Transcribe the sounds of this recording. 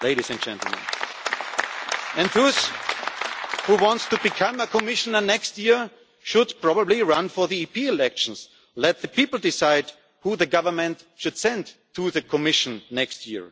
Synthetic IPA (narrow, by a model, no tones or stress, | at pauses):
leɪɾisɨ̃nd͡ʒɛ̃ntˡl̩ˠmə̰̃n | ɨ̃ndðos | huwɑ̃ntstubɨkʰʌ̃məkʰɔmɪʃənə˞nɛkst̚jɪɹ | ʃʊdpʰɹ̥ɑbəbliɹʌ̃nfɔ˞ðiipʰiɪlɛkʃn̩s | lɛt̪̚ðɨpipl̩ˠdɪsaɪd | huðɨɡʌvə˞mɨ̃nt | ʃʊd̥sɛ̃ndtʰuðɨkʰɔmɪʃnːɛkstjɪɹ